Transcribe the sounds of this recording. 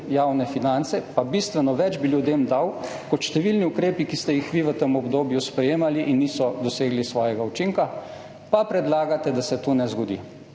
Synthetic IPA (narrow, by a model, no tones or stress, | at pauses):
jaːwnɛfinant̪sɛpabist̪ʋɛnɔʋɛd͡ʒbiljud̪eːmd̪aw | kɔt̪ʃt̪ɛʋilniukɾeːpikist̪ɛjixʋiʋət̪əmɔbd̪oːbjuspɾɛjeːmaliʔinːisɔd̪ɔseːɡlisʋɔːjɛɡaut͡ʃiŋka | papɾɛd̪laːɡat̪ɛd̪asɛt̪onɛzɡɔd̪ḭ